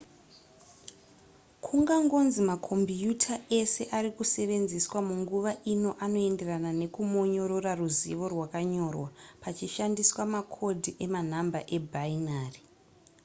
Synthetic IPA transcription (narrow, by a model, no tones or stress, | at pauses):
kʰuŋɡaŋɡo̞nzimakʰo̞mbjutʰaʔe̞se̞ʔaɾikuse̞ʋe̞nziswamuŋɡuʋaʔino̞ʔano̞e̞nde̞ranane̞kumo̞ɲo̞ɾo̞raruzḭʋo̞rwakaɲo̞rwapat͡ʃiʃandiswamakʰo̞dʱiʔe̞man̤ambaʔe̞bʱainaːri